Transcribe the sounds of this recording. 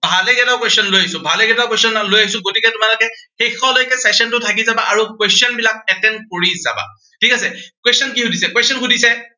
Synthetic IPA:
bʱalɛɡɛtakwestɔnlojaisʊ̃bʱalɛɡɛtakwestɔnalojaɦis̬ʊ̃ɡotikɛtʊmalʊkɛxexɔlojkɛsɛsɔntʊtʰakizabaʔaɹukwɛstiɔnbilak̚ɛtɛnkoɹiza̰ba̰ | tʰikasɛkwɛstɔnkihʊdisɛkwɛstɔnxʊdisɛ

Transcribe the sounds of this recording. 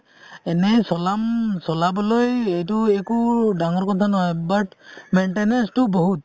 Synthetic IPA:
ɛnɛsɔlamsɔlabɔlɔjejtuɛkudaŋɔɹkɔt̪ʰanɔɦɔjbaʈmenʈenɛnstʊbɔɦut̪̚

